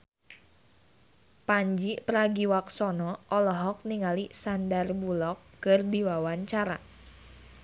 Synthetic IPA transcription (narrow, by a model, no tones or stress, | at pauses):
paɲd͡ʒipəɾaɡiwaksɔnɔʔɔlɔɦɔk̚niŋalisandarbulɔkːɨrdiwawaɲt͡ʃaɾa